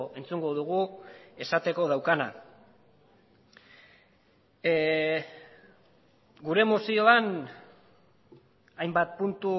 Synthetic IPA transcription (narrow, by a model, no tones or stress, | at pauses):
ʔe̞nt͡suŋɡo̞ð̞uɣ̞ue̞sat̪e̞ko̞ð̞awkana̰ | ɡuɾe̞mosio̞an | ajmbat̪̚punt̪u